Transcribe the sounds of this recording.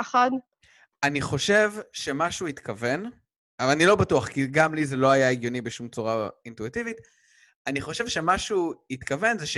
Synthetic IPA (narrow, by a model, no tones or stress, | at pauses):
χad | aniχo̞ʃe̞vʃe̞maʃuit̪kave̞n | anilo̞batuaχkiɡamlizelo̞ajaeɡjo̞nibeʃumt͡suʁaintuitivit̪ | aniχo̞ʃevʃe̞maʃuit̪kave̞nzeʃe